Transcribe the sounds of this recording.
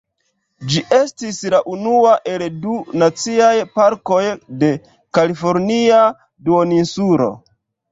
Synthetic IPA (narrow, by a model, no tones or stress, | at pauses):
d͡ʒiʔe̞stislaʔunuaʔe̞ldunat͡siajpaɾko̞jde̞ | kalifo̞ɾnia | duoninsuɾo̞̰